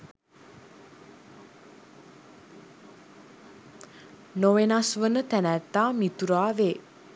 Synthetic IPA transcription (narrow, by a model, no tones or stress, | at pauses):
noʋenasʋənət̪ænæt̪ːaːmit̪uɾaːʋeː